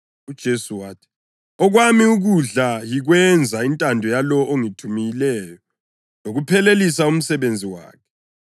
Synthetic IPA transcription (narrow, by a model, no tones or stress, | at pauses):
ud̥ʒ̥ʱesuwaːtʰi̥ | ɔɣwamiuɣuɮajiɣwɛnd͡zʱaintʼandʱɔjalɔʔoŋitʰumijilɛːjɔ | noɣupʰɛlelisaum̩sɛβend͡zʱiwa̰ːkʰɛ̥